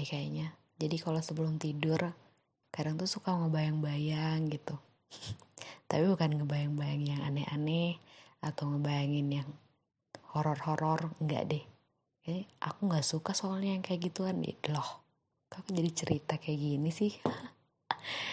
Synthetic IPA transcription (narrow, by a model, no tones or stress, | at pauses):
ɛkajaɲa | d͡ʒadikalosəbəlʊmt̪idʊr | kadaŋt̪usukaŋəbajaŋbajaŋɡit̪u | t̪apibukanŋəbajaŋbajaŋjaŋa̰nɛa̰nɛhat̪awŋəbajaŋɪnjaŋ | hoɾɔrhoɾɔrŋɡa̰ʔdɛh | kaɲaʔa̰kuŋɡaʔsukasoalɲajaŋkajaɡit̪ukan̰lɔh | kakud͡ʒadit͡ʃəɾit̪akajaɡinisɪh